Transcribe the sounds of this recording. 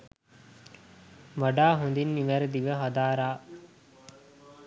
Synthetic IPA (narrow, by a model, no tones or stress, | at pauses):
ʋaɖaːɦund̪inːiʋæɾəd̪iʋəɦad̪aːɾaː